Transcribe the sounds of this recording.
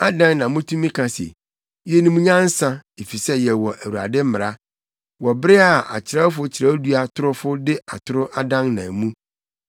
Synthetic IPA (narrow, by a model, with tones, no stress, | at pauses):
a˦dã˦ŋnã˨mũ˦tʰũ˦mĩ˦kʰã˨sɛ̰˨ | jɛ˦nũ˦mũ˦ɲã˦n̩˦sã˦e˨fi˨sɛ˦jɛ˨wɔ˨ʔæ˨wu˨a̰˨dɪ˦m̩˦mɪ˨ɾa˦ | wɔ˨bɛ˦a˨ʔa̰˨t͡ɕʰɪ˨ɾa˦fʊ˦t͡ɕʰɪ˨ɾa˦du˦a˨tʰʊ˦ɾʊ˦fʊ˦dɪ˦a˨tʰʊ˦ɾʊ˦ʔa˦dã˦ŋnã˨mũ˦